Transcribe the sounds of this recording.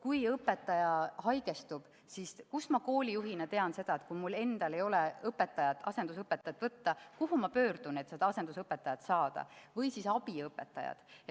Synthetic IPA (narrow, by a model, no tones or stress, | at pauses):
kujɤpːˑe̞t̪ːˑɑjɑɦɑjɡ̥e̞st̪ub̥ | siskusmɑko̞ːlʲijuɦinet̪e̞ɑnse̞d̪̥ɑe̞t̪̚kujmulːe̞nd̪̥ɑle̞jo̞leɤpːˑe̞t̪ːˑɑjɑt̪ɑ̰se̞nd̪usɤpːˑet̪ːˑɑjɑt̪ːˑvɤt̪ːɑkuɦumɑpø̞ːɾd̪̥une̞t̪ːsed̪ɑɑse̞nd̪usɤpːˑe̞t̪ːˑɑjɑt̪sɑːd̪̥ɑ̰vɤjsisɑb̥iɤpːe̞t̪ːˑɑjɑ̰d̪̥